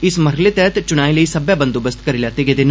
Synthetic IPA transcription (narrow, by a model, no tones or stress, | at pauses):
ɪsmɐɾlet̪ɛːt̪t͡ʃʊɽ̃aːeləisɐbjabə̃nd̪oːbəst̪kɐɾiːlaːt̪eɡed̪en